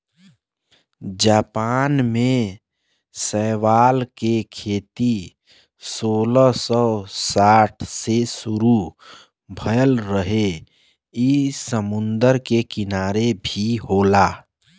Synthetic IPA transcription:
d͡ʒaːpaːnmẽ | səːʋaːlkekʰeːt̪i | soːləsɔsaːʈʰsesʊɾu | bʱəjəlɾəɦe | isəmʊnd̪əɾkekɪnaːɾebʱiɦoːlaː

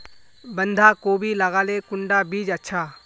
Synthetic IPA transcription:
bə̃nd̪ʱakoːbʱilɐɡaːlekʊ̃ɳɖabiːd͡ʒɐtːʃʰaː

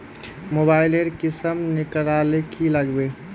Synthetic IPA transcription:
moːbaːɪleɾkɪsəmnɪkəɾalekʰiləɡbeː

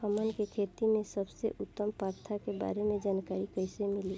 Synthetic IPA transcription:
həmənkekʰet̪imẽsəbsḛʔʊt̪ːəmpaːɾt̪ʰakeba̰ːɾemẽd͡ʒaːnkaɾikəɪsemɪli

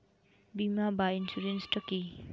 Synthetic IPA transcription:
bimabainsuɾenstɔki

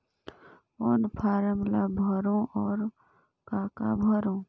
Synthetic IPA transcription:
oːnpʰaːɾəmlabʱəɾõʔɔːɾ | kaːka̰bʱəɾõː

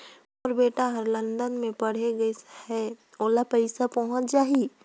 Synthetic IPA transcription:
ɔːɾbeːʈaɦəɾlə̃nd̪ənmẽpəɽ̤eɡəshɛ | oːlapəɪsapɔɦʊ̃t͡ʃd͡ʒaːɦi

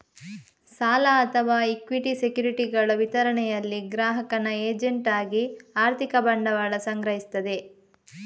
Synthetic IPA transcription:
saːlɐɐt̪ʰɐʋaːikʋiʈisekjuːɾiʈiɡɐɭɐʋit̪ɐɾɐɳɛjɐlːiɡɾaːɦɐkɐnɐeːd͡ʒeɳʈaːɡiaːɾt̪ʰikɐbɐɳɖɐʋaːɭɐsɐŋɡɾɐɦist̪ɐd̪e̞

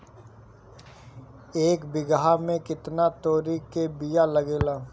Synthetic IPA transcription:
eːkbɪɡɦamẽkɪt̪nat̪oːɾikebijalɐɡeːlaː

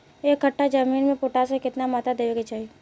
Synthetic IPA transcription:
eːkːɐʈːad͡ʒɐmiːnmẽpʊʈasekɪt̪namaːt̪ad̪eːʋeɡet͡ʃaːɦie

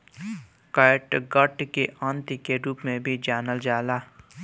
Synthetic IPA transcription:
kaɪʈɡəʈkeʔãːnt̪ikeɾuːpmẽbʱid͡ʒaːnəld͡ʒaːlaː

